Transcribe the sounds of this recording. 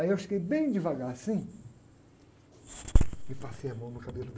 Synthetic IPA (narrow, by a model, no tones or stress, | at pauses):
iewʃi̥kejbẽj̃d͡ʒɪvaɡaɾsĩ | ɪpasejamɐ̃w̃nʊkabelʊd̪